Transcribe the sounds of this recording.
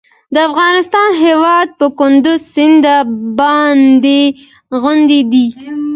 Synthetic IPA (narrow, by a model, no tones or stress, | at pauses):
d̪əafɣɑnɪst̪ɑnɦewɑd̪̚pəkʊnd̪ʊzsɪnd̪abɑnd̪e | ɣʊnd̪ed̪i